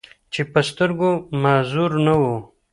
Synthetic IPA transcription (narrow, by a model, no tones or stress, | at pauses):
t͡ʃepəst̪əɾɡomaːzuɾnawo